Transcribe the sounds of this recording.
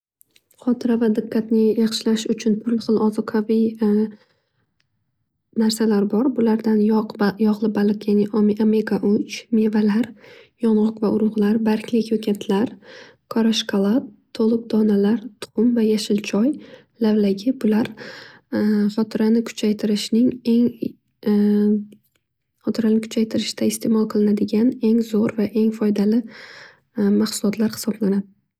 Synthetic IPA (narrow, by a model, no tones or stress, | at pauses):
χɒt̪ʰɪɾavad̪ɪqʰːat̪nɪjɑχʃɪlaʃʊt͡ʃʰʊnpʰʊlχɨlˠɒzɒqʰavi | naɾsalaɾbɒɾbʊlaɾd̪anjjɒʁlˠɪbalˠɨqjaniʔmʔame̞ɡaʔʊt͡ʃme̞valaɾjɒnʁʊqvaʔʊɾʊʁlˠaɾbaɾkʲʰlɪkʲjokʲʰat̪ʰlaɾ | kʰɒɾaʃkʰalˠat̪ʰːolˠɨq̚d̪ɒnalaɾt̪ʰʊ̥qʊmvajaʃɪlt͡ʃʰɒj | lavlaɡʲɪbʊlaɾ | χɒt̪ʰɪɾanɪkʰʊ̥t͡ʃʰajt̪ʰɪɾɪʃnɪŋe̞ŋ | χɒt̪ʰɪɾanɪkʰʊ̥t͡ʃʰajt̪ʰɪɾɪʃd̪̥aɪst̪ʰe̞mɒlˠqʰɨlˠɪnad̪ɪɡʲane̞ŋzoɾvaʔe̞ŋfɒjd̪alɪ | maχsʊlˠɒt̪ʰlaɾhɪ̥sɒblanad̪ɪ